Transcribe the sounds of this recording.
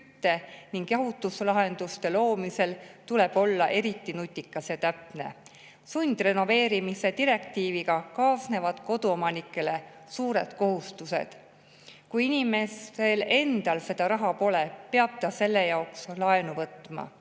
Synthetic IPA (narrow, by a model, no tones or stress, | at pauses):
t̪ːe̞niŋɡ̥jɑɦut̪ːˑuslɑɦe̞nd̪̥ust̪e̞lo̞ːmise̞lt̪ule̞b̥o̞lːɑʔe̞ɾit̪ˑːinut̪ʲˑːikːˑɑsjɑt̪æpne̞̰ | sunʲd̪̥re̞no̞ve̞ːɾimise̞t̪iɾe̞k̚t̪iːviɡɑkɑːsne̞vɑd̪̥ko̞d̪uo̞mɑnikːˑe̞le̞ | suːɾe̞d̪̥ko̞ɦust̪use̞̰d̪̥ | kujinʲime̞sele̞nd̪̥ɑlse̞d̪̥ɑɾɑɦɑpo̞le̞pe̞ɑb̥̚t̪ɑse̞lːe̞jɑokslɑe̞nuvɤt̪ːˑmɑ̰